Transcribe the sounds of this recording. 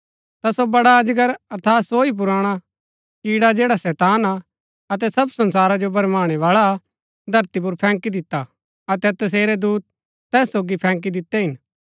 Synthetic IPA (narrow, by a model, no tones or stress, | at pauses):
t̪asobɐɽaɐd͡ʒɡəɾɐt̪ʰaːt̪soːip̬ʊɾaːɽ̃a | kiːɽad͡ʒeːɽasɛːt̪aːna | ɐt̪̬ɛsɐbsɐ̃nsaːɾad͡ʒobɐɾmaːɽ̃ɛʋaːɭa | d̪ʱɐɾt̪ip̬ʊɾpʰɛ̃ːŋkid̪ɪt̪ːa | ɐt̪ɛt̪ɐs̬eːɾɛd̪uːt̪̚ | t̪ːɛːsːoːɡipʰɛ̃ːŋk̬id̪ɪt̪ːɛɦɪn